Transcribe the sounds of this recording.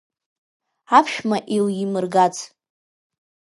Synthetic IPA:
apʰʃᶣmaʔiwjimɨrɡat͡sʰ

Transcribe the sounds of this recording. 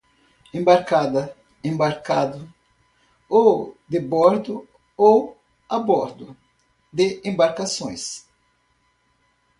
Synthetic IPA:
ẽmbaɾkad̪ɐ | ẽmbaɾkad̪ʊ | owd̪ebɔɾd̪ʊ | ow | abɔɾd̪ʊ | d̪eẽmbaɾkasõj̃s

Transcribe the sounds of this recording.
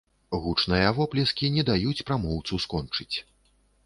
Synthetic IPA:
ɣut͡ʂnɨjɐvɔplʲɛskʲinʲɛd̪ajut͡sʲpɾamɔwt̪suskɔnt͡ʂɨt͡sʲ

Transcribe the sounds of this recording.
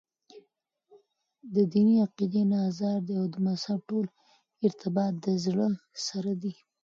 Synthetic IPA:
d̪əd̪iniaqid̪enɑzɑɾd̪eawd̪əmazhab̚ʈol | ɪɾt̪ɪbɑt̪̚d̪əzɽəsaɾad̪i

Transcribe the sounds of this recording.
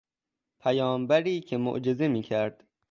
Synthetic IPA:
pʰæjɒːmbæɾiːcʰemo̰ʔd͡ʒe̞zemiːcʰæɾd̪̥

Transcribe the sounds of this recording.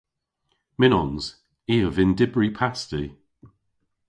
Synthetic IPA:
mɪnɔnz̥ | iːəvɪndɪbɹipʰasti

